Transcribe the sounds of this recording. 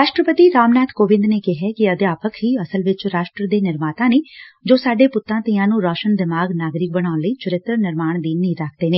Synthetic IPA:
ɾaːʃʈɾəpət̪iːɾaːmnaːt̪koːʋɪ̃nd̪neːkɪɦɛːkɪəd̪eaːpəkʰɦiːəsəlʋɪt͡ʃɾaːʃʈɾəd̪eːnɪɾmaːt̪ãːneːd͡ʒoːsaːɖeːpʊt̪ːãːt̪iːãːnũːɾɔːʃənd̪ɪmaːɡnaːɡɾɪk̚bəɽ̃aːʊnləiːt͡ʃʊɾɪt̪ɾəɾnɪɾmaːɳd̪iːniːɾakʰd̪eːneː

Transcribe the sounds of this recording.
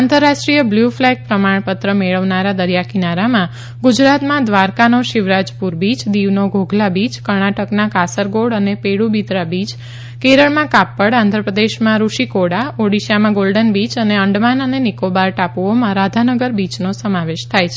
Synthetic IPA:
ãnt̪əɾːaʃʈɾijəbljuflɛk̚pɾəmaɳpət̪ɾəmeɭəʋnaɾad̪əɾjakinaɾamã | ɡʊd͡ʒɾat̪mãd̪ʋaɾkanoʃɪʋɾad͡ʒpuɾbid͡ʒd̪iʋnoɡʱoɡʱlabid͡ʒkəɾɳaʈəknakasəɾɡoɽənepeɽubit̪ɾabid͡ʒ | keɾəɭmãkapːəɽãnd̪ʱɾəpɾəd̪eʃmãɾuʃikoɽaoɽiʃamãɡolɖənbit͡ʃəneəɳɖmanənenikobaɾʈapuomãɾad̪ʱanəɡəɾbid͡ʒnosəmaʋeʃt̪ʰajt͡ʃʰe̥

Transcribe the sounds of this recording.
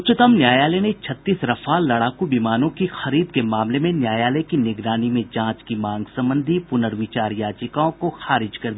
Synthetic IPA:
ʊt͡ʃɪt̪əmnjaːjaːlɛnet͡ʃʰɐt̪ːiːsɾɐfalɐɽaːkubiːmaːnõkixɐɾiːd̪kemaːmlemẽnjaːjaːlɛkinɪɡɾaːnimẽd͡ʒãːt͡ʃkimãːŋɡsɐ̃mbə̃nd̪ʱipʊnəɾʋiːt͡ʃaːɾjaːd͡ʒɪkaõkoxaːɾɪd͡ʒkɐɾd̪iː

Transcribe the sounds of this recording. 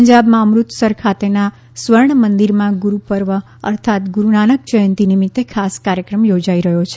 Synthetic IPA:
əɲd͡ʒabmãəmɾut̪səɾkʰat̪ena | sʋəɾɳ̃mənd̪iɾmãɡuɾupəɾʋə | ə̰ɾt̪ʰat̪ɡuɾunanək̚t͡ʃəjənt̪inimit̪ːekʰaskaɾjəkɾəmjod͡ʒaiɾəɦot͡ʃʰe

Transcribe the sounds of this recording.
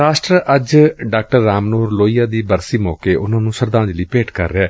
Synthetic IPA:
ɾaːʃʈɾəəd͡ʒɖaːk̚ʈəɾːaːmnoːɾloːijaːd̪iːbəɾsiːmɔːkeːʔʊnãːnũːsəɾd̪ãːnd͡ʒləiːpeːʈkə̰ɾːeɛː

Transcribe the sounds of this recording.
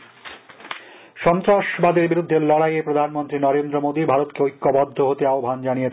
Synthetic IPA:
ʃɔnt̪ɾaʃbad̪eɾbiɾud̪ʱːelɔɽajepɾod̪ʱanmont̪ɾinɔɾend̪ɾomod̪ibʱaɾot̪keojkːobɔd̪ʱːoɦot̪eaobʱand͡ʑanije

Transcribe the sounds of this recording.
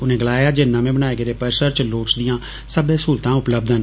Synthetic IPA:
ʊnẽːɡəlaːjaːd͡ʒenːãːmẽːbəɽ̃aːeːɡeɾeːpəɾsəɾt͡ʃloːʈsd̪ɪjãː | səbẽːsuːlt̪ãːʊpləbd̪ən

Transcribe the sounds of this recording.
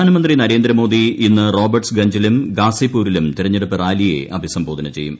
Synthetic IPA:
aːnɐmɐnd̪rinɐɾe̞ːnd̪ɾɐmo̞ːd̪iinːɨro̞ːbɐrʈsɡɐɲd͡ʑɐlumɡaːsipːuːɾilumt̪iɾɐɲːeɽupːɨraːlijḛʔɐbʱisɐmbʱo̞ːd̪ɐnɐt͡ɕe̞jːṵm

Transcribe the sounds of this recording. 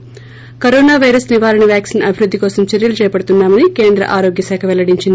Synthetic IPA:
kɐɾoːnaːʋɐjɾɐsniʋaːɾɐɳɐʋjaːksiːnɐbʱiɾud̪ʱːikɔːsɐmt͡ʃɐɾjɐlut͡ʃɛːjɐpɐɽut̪unːaːmɐnike̞ːnd̪ɾɐ̰ʔaːɾo̞ːɡjɐsaːkʰɐʋɛlːɐɽiɲt͡ʃind̪i

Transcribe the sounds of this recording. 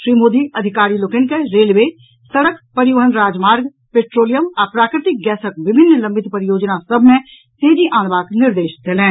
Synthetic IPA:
ʃɾiːmoːd̪iɐd̪ʱɪkaːɾilokenkeɾeːlʋeː | səɽəkpəɾɪjəɦənɾaːd͡ʒmaːɾɡ | peːʈɾoːlɪjəmɔɾpɾaːkɾɪt̪ɪk̚ɡɛːsək̚ʋɪbʱɪnːlɐ̃mbʱɪt̪pəɾɪjoːd͡ʒnasəbʱmẽ | t̪eːd͡ʒiʔaːnbaːknɪɾd̪eːʃd̪elẽː

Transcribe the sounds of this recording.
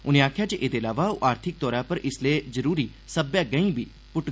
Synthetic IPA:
ʊnẽːaːkʰjaːt͡ʃəʔeːd̪eːəlaːʋaːoʔaːɾt̪ʰɪk̚t̪ɔːɾaːpəɾɪsleːzəɾuːɾiː | səbjaːɡəĩːbʱiː | pʊʈ

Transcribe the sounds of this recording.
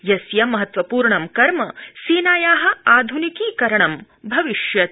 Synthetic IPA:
jɐsjɐmɐɦɐt̪ʋɐpuːɾɳɐmkɐɾmɐsiːnaːjaːɦɐ̆aːd̪ʱunikiːkɐɾɐɳɐm | bʱɐʋiʃjɐt̪̚

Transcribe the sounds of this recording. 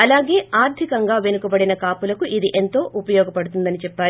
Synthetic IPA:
ɐlaːɡe̞ːaːɾt̪ʰikɐŋɡaːʋe̞nukɐbɐɽinɐkaːpulɐkuʔid̪iʔe̞nt̪o̞ːʔupɐjɔːɡɐpɐɽut̪und̪ɐnit͡ʃɛpːaː

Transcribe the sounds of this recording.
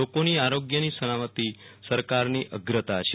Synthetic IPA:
okoniaɾoɡjənisənamət̪isəɾkaɾniʔəɡɾət̪at͡ʃʰe

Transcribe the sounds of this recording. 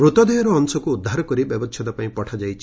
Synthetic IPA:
ɾut̪ɔd̪ɔjɔɾɔːŋsɔkuːd̪ʱːaɾɔkɔɾibjɔbɔt͡ʃʰɔd̪apãĩpɔʈʰad͡ʒajt͡ʃʰi̥

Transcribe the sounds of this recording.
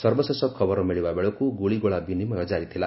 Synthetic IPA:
sʌrbʌsʌsʌb̚kʰʌbʌɾomeɭibabeɽokoɡoɭiɡoɭabinimʌjõd͡zaɾit̪ʰela

